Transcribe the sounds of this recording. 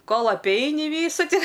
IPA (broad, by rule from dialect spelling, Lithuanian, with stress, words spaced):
ˈkoːlˠ ɐpʲˈɛɪnʲɪ ˈʋʲiːsʊ tʲɪ